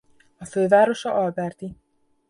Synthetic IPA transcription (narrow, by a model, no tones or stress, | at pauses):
ɒføːvaːɾo̞ʃɒʔɒlbɛrt̪i